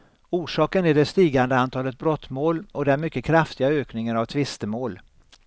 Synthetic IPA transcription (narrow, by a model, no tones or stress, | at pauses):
uːʂɑːkənæɖɛst̪iːɡand̪əant̪ʰɑːlət̪̚bɾɔt̪ːmoːlɔd̪ɛæɾmʏkːəkʰɾaft̪ɪɡaøːknɪŋənavt̪ʰvɪst̪əmoːl